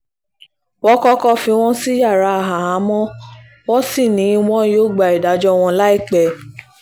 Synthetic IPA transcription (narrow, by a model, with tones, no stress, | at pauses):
wɔ̃˦kɔ˦kɔ˧fĩ˧w̃ɔ̃˦si˦ja˦˨ɾa˧˦˨ɦa˨ɦa˨˦mɔ̃˦ | wɔ˦si˦˨nĩ˨˦w̃ɔ̃˦joː˦˨ɡ͡ba˧˨i˨da˨˦d͡ʒɔ˧w̃ɔ̃˧la˦i˦˨k͡pɛ˨